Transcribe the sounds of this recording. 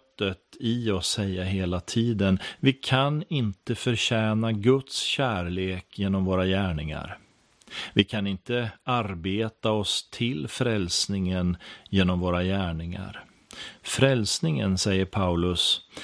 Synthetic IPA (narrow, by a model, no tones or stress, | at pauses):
t̪ːət̪ɪɔsːɛjːaɦeːlat̪ʰiːd̪ənvɪkʰanɪnt̪əfœɾɕɛːnaɡɵt̪sɕæːɾɭeːkjeːnɔmvoːɾajæːɳɪŋa̰ɾ | vɪkʰanɪnt̪əaɾbeːt̪aɔst̪ʰɪlfɾɛlsnɪŋənjeːnɔmvoːɾajæːɳɪŋa̰ɾ | fɾɛlsnɪŋə̰nsɛjːəɾpʰaʉlɵs